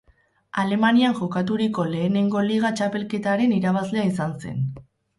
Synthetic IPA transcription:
ale̞maniaŋʝo̞kat̪̬uɾiko̞le̞ːne̞ŋɡo̞liɣ̞at͡ʃape̞lke̞t̪aɾe̞niɾaβ̞azle̞aisanse̞̰n

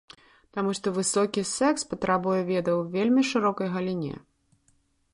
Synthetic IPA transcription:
t̪amuʂt̪ɔvɨsɔkʲisɛkspɐt̪ɾabujɛvʲɛd̪ɐwvʲelʲmʲiʂɨɾɔkɐjɣɐlʲinʲɛ̰

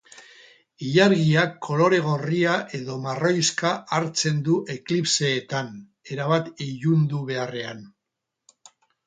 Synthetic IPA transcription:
iʎaɾɣiakʰːo̞lo̞ɾe̞ɣ̞o̞riaʔe̞ðo̞maro̞jskaʔaɾt͡se̞nd̪uʔe̞klipse̞ːt̪an | e̞ɾaβ̞at̪iʝund̪uβe̞are̞an

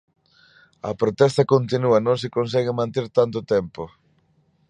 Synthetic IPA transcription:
ɐ̰pɾot̪ɛst̪ɐkont̪inuɐnõŋs̬ɪkons̬ɛɣɪmãnt̪eɾt̪ant̪̬ʊt̪ɛmpo

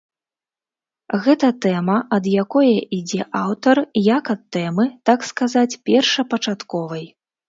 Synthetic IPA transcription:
ɣɛt̪ɐt̪ɛmɐʔɐd̪jakɔjɐʔid͡zʲɛʔawt̪ɐrjakɐt̪ːɛmɨt̪akskazat͡sʲpʲɛrʂɐpɐt͡ʂat̪kɔvɐj

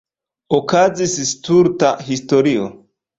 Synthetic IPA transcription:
okazisstuɾtahisto̞ɾio̰

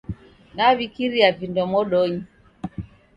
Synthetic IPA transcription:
naβikiɾiavindɔmɔɗɔɲi

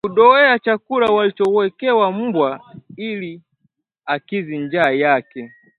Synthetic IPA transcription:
kuɗɔɛat͡ʃakulawalit͡ʃɔwɛkɛwam̩bwaili | akiziɲd͡ʒaːjakɛ

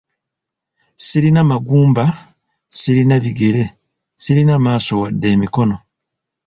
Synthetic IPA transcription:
siɾinamaɡuːmba | siɾinaβiɡeɾe̞ | siɾinamaːso̞wadːe̞ːmiko̞no

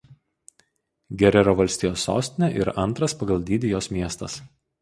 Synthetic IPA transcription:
ɡʲɛɾʲɛɾoːʋɐlʲsʲt̪ʲɪjoːsːo̰ːsʲt̪ʲɪnʲɛʔɪ̰ɾɐnˑt̪ɾɐspɐɡɐlˠd̪ʲiːd̪ʲɪjoːsmʲiɛst̪ɐs

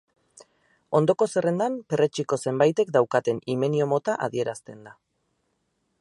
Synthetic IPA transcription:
o̞nd̪o̞ko̞se̞re̞nd̪ampe̞re̞t͡ʃiko̞se̞mbajt̪e̞kd̪awkat̪e̞nime̞nio̞mo̞t̪aʔa̰ðie̞ɾast̪e̞nd̪a

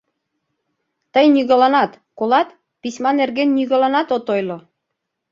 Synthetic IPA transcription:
t̪əjnyɣɤ̆lɑnɑt̪ | kolɑt̪ | pisʲmɑnerɣenːyɣɤ̆lɑnɑt̪ot̪ojlŏ

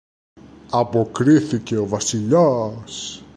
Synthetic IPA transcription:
ɐpo̞kɾiθice̞ovɐsiʎas

